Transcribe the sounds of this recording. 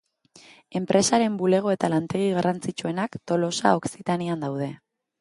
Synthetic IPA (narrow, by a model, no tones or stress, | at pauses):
e̞mpɾʔe̞saɾe̞mbule̞ɣ̞o̞e̞t̪alant̪e̞ɣ̞iɣ̞arant͡sit͡ʃue̞nakt̪o̞lo̞sa̰o̞ksit̪aniand̪awðe̞